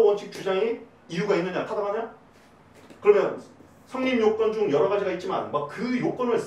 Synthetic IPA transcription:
wʌnt͡ɕʰik̚t͡ɕ͈ud͡ʑaŋe | iuɡainːɯɲatʰadaaɲa | kɯɾʌmjʌn | sʰaŋnimjok͈wʌnd͡ʑoŋjʌɾʌɣad͡ʑiɡait̚t͡ɕ͈ima̰nmak̚kɯjok͈ʌnɯɭs͈

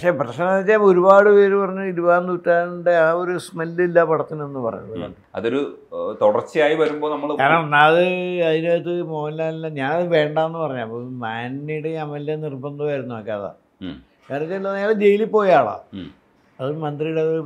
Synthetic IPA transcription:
ɐkʂeprɐʂɐnːɐt͡ɕːaːo̞ɾubaːɽɨpeːɾupɐrɐɲːuiɾuʋaːnd̪utːaːɾuɳɖeaːoɾusmelːilːapɐɽɐt̪ːinenːɨpɐ̰rɐ̰ɲːuɐɐ̰n | ɐ̰ðo̞ɾu | t̪uɽɐrt͡ɕːɨaːjiʋɐɾumbo̞ːnɐmːɐɭkaːɾnɐmnːaɐðɨɐðinet̪ːɨmoːlːaːlːaɲaːnɐðɨʋe̞ːɳɖaːenːɨpɐrɐɲːaɐpːomaːnːiɽeɲamɐlːenirbɐnd̪uaːjiɾunːuoːkːaða̰ | kaːɾtːlːɐneːled͡ʑe̞jilipːo̞ːjaːɭa̰ | ɐðɨmɐnd̪rijuɽe

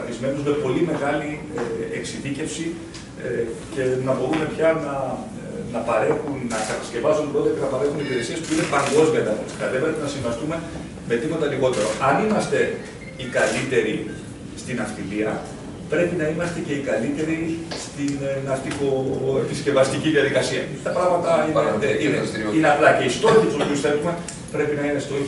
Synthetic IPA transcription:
ɐθizme̞nuzme̞po̞lime̞ɣɐli | eksiðice̞fsi | ce̞nɐbo̞ɾume̞pçɐnɐ | nɐpɐɾe̞xunːɐksɐxɐ̥sce̞vɐzunbɾo̞t̪eɐcenɐpɐɾe̞xunipiɾe̞siespuine̞pɐŋɡo̞zmiɐnd̪ɐxonist̪ikɐðepeɾet̪enɐsiɱvɐst̪ume̞ | me̞t̪imɐt̪ɐliɣo̞t̪e̞ɾo̞̰ʔɐnimɐst̪e̞ | ikɐlit̪e̞ɾi | st̪inɐft̪iliɐ | pɾe̞pinɐimɐst̪e̞ce̞ikɐlit̪e̞ɾist̪innɐft̪ikoepisce̞vɐst̪iciðiɐðikɐsiɐt̪ɐpɾɐɣmɐt̪ɐieineineɐplɐceist̪o̞ɾiɐt̪ut̪usupiusθe̞lume̞ | pɾe̞pinɐine̞st̪oi

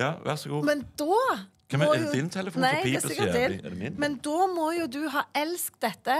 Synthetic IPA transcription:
ɑʋæsɔɡuːmɛnd̪oː | kʰmɔjʊɪnt̪ʰɛləfnːæɪɛsɪk̪ːd̪ɪndmɛnd̪ɔːmɔjʊd̪ʉɦɑːʔɛlsk̚t̪̚d̪ɛt̪ːə

